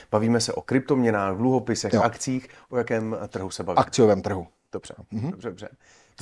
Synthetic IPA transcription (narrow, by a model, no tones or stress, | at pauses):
b̥aviːmɛsɛʔo̞kɾɪp̚t̪o̞mɲɛnaːɣdluɦo̞pɪsɛxʔakt͡siːxʔo̞jakɛːmt̪r̩ɦusɛbavakt͡sɪjovɛːmt̪r̩ɦu | d̥obr̥ɛ̰dddobrɛdobrɛ